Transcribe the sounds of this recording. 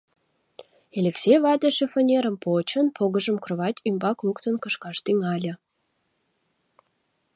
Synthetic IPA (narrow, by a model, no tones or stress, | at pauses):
elʲeksejβɑd̪eʃefonʲeɾə̆mpot͡ɕə̆npʰoɣə̆ʒə̆mkroβɑt̪ʲymbɑklukt̪ə̆nkəʃkɑʃt̪yŋɑlʲə̆